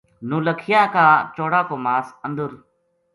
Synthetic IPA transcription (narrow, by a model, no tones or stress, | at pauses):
nũːləkʰɪjaːkaːt͡ʃoːɽaːkoːmaːsənd̪əɾ